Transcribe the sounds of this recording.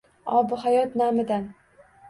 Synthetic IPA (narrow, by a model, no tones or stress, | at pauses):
ɒbɪɦajɒt̪namɪd̪an